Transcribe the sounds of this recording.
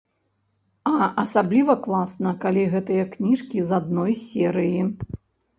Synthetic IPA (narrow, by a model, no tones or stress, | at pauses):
ɐʔɐsablʲivɐklˠasnɐkalʲiɣɛt̪ɨjɐknʲiʂkʲizad̪nɔjsʲɛɾɨji